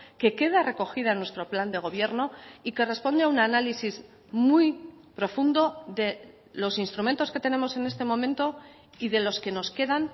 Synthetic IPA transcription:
ke̞ke̞ðare̞ko̞xiðaenwe̞st̪ɾo̞pland̪e̞ɣ̞o̞βje̞ɾno̞ike̞re̞spo̞nd̪eaunanalisiz | muj | pɾo̞fund̪o̞ðe̞ | lo̞sinst̪ɾume̞nt̪o̞ske̞t̪e̞ne̞mo̞se̞ne̞st̪e̞mõ̞mẽnt̪o̞ | iðe̞lo̞ske̞no̞ske̞ðan

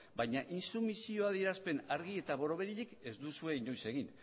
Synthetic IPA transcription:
bajɲaʔinsumisio̞aðieɾaspe̞naɾɣie̞t̪aβo̞ɾo̞βe̞ɾiʎike̞zd̪usue̞iɲo̞jse̞ɣ̞in

